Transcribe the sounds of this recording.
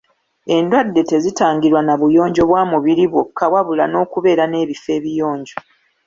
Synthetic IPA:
e̞ndwadːe̞te̞zitaːŋɡiɾwanaβujo̞ːɲɟo̞βwaːmuβiɾiβwo̞kːawaβulano̞ːkuβe̞ːɾane̞ːβife̞ːβijo̞ːɲɟo

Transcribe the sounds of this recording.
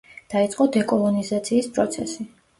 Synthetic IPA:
d̪̥ait̪sʼqʼɔd̪ɛkʼɔlˠɔnizat̪sʰiːspʼɾɔt̪sʰɛsi

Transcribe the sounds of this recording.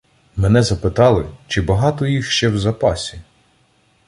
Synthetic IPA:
mɛnɛzɐpɪt̪ɑlˠɪt͡ʃɪbɐɦɑt̪ɔjixʃt͡ʃɛwzɐpɑsʲi

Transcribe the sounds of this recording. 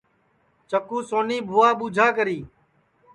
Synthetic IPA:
t͡ʃəkuːsoːniːbʱʊːaːɓuːd͡ʒʱaːkəɾiː

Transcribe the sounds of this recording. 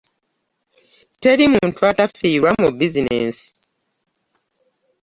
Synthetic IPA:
tɛɾimũntwatafiwamobizinɛ̰ns

